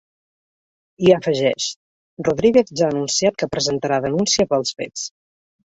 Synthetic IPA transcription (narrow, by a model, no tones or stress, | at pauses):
iəfəʒɛʃt | ruðɾiɣeθʒaənunsiat̪̚kəpɾəzənt̪əɾaðənunsiəpəlˠsfḛt͡s